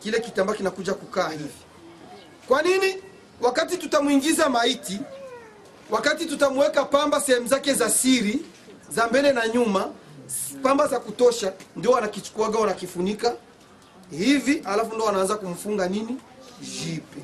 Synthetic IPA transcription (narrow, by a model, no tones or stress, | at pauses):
kilɛkitambakinakuʄakukaːhivi | kwanini | wakatitutamuiŋɡizamaiti | wakatitutamuwɛkapambasɛhɛmuzakɛzasiɾi | zambɛlɛnaɲuma | pambazakutɔʃandiɔwanakit͡ʃu̥kuaɡawanakifunika | hivialafundɔɔwanaanzakum̩fuŋɡanini | ʒipɛ